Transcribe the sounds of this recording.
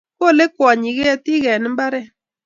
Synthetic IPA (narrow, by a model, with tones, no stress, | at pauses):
ko˦˨le˦kwa˨ɲi˨ɣe˦ti˦ɣɛ˨ni˦m˦ba˦ɾɛ˦